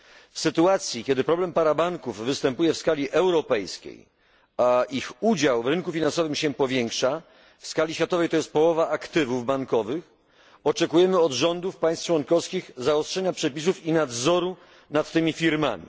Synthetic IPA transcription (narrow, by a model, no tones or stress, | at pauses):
fsɘt̪uat̪sʲjikʲɛd̪ɘpɾɔblɛmpaɾabaŋkuvvɘst̪ɛmpujɛfskalʲiʔɛwɾɔpɛjskʲḛj | ixud͡ʑawvɾɘnkufʲinansɔvɘmɕɛpɔvʲjɛŋkʂa | fskalʲiɕfʲjat̪ɔvɛjt̪ɔjɛst̪̚pɔwɔvaʔakt̪ɘvuvbaŋkɔvɘx | ɔt͡ʂɛkujɛmɘɔd̪ʐɔnd̪ufpaj̃st̪t͡ʂwɔŋkɔfskʲixzaɔstʂɛɲapʂɛpʲis̬ufinad̪zɔɾu | nat̪ːɘmʲifʲiɾma̰mʲḭ